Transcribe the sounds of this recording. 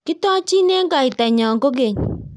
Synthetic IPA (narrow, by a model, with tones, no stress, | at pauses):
kɪ˦tɔ˦t͡ʃi˦ne˦ŋɡa˨ɪ˨ta˨ɲɔ˨ŋɡo˦ɡe˨ɲ